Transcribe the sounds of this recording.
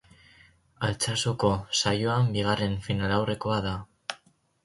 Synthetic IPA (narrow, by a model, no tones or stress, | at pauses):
alt͡sasoko̞sajoambiɣare̞nfinalawre̞ko̞aða